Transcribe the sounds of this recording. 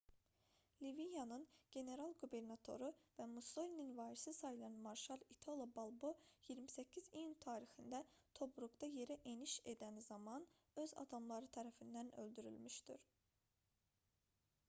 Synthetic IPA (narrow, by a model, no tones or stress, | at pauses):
livijɑnɯnɟ̥e̞ne̞ɾɑlˠɡube̞ɾnɑt̪ʰo̞̰ɾuvæmuso̞lʲininvɑːɾisisɑjilˠɑnmɑɾʃɑlˠit̪ʰolˠobolˠbo̞jiɾmisæcʰːizijunt̪ʰɑːɾixind̪æt̪ʰo̞bɾuɡd̪ɑje̞ɾæʔe̞niʃe̞d̪ænizɑmɑn | ø̞zɑ̰d̪ɑmlˠɑɾɯt̪ʰæɾæfind̪ænø̞̰ld̪yɾy̰lmyʃd̪iɾ